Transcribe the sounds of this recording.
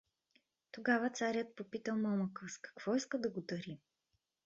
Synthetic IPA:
t̪oɡavət̪saɾʲjət̪̚popit̪əlˠmɔməkəskɐ̥kv̥ɔiskəd̪ɐɡod̪ɐɾi

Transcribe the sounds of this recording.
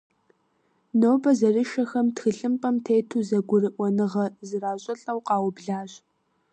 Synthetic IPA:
noːbɐzɐrɨʃɐxɐmtxɨɬʼɨmpʼɐmtʰejtʰuːzɐɡʷʊrɨʔʷɔnɨʁɐzɨraːɕʼɐɬʼɐwqɑːwʊbɮaːɕ

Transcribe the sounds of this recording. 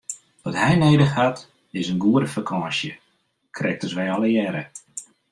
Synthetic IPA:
ʋɔtɦɛjneːdəxhat | ɪsənɡuəɾəfakʰɑːsjə | kʰrɛk̚təsʋɛjɔləjɛɾə

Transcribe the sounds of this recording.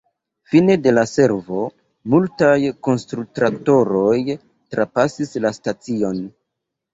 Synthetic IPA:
finede̞lase̞ɾvo̞ | multajko̞nstɾutɾakto̞ɾo̞j | tɾapasislastat͡sio̞n

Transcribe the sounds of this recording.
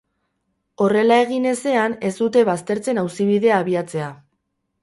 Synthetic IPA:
o̞re̞lae̞ɣ̞ine̞se̞ane̞zd̪ut̪e̞βast̪e̞ɾt͡se̞nawsiβiðe̞aːβiat͡se̞a

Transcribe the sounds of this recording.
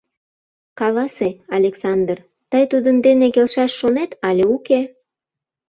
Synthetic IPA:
kɑlɑseɑlʲeksɑnd̪r | t̪əjt̪ud̪ənd̪enekelʃɑʃːonet̪ɑlʲeuke

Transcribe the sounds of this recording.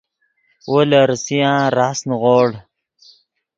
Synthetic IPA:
wʔoləɾsijãːɾasnʁoːɽ

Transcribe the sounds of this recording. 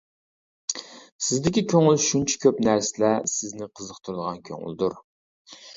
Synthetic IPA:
sɪzd̪ɪkʲikʲʰøŋylʃunt͡ʃʰɛ̥kʲʰøpnæɾsɪlɛsɪznɪqʰəzəqt̪ʰʊɾɨd̪əʁɑnkʲʰø̰ŋy̰ld̪uɾ

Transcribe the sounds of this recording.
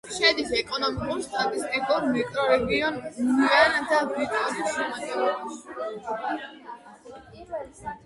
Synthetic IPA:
ʃɛd̪isɛkʼɔnɔmikʼuɾʃt̪ʼat̪ʼist̪ʼipʰuɾmɛkʼɾɔɾɛɡiɔnmiand̪abɾit̪ʼɔsʃimat̪t̪ʼɔɾɛba

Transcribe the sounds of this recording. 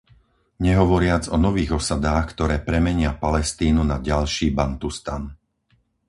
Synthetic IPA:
ɲɛɦɔʋɔɾɪad͡zɔnɔʋiːɣɔsad̪aːxkt̪ɔɾɛːpɾɛmɛɲɪapalɛst̪iːnunaɟalʃiːbant̪ust̪an

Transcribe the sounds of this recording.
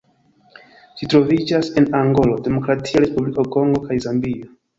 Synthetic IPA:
ʃitɾo̞vid͡ʒase̞naŋɡo̞lo̞de̞mo̞kɾatʰiaɾe̞spublikoko̞ŋɡo̞kajzambio

